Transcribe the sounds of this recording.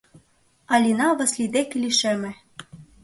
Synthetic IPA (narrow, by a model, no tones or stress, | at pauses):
ɑlʲinɑβɤ̆slʲid̪ekilʲiʃemɘ̆